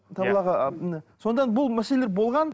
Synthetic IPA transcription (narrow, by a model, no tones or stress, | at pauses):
t̪ʰɑblˠɑʁənso̞nəd̪ɑnbʊlˠmæseleleɾbo̞lˠʁɑn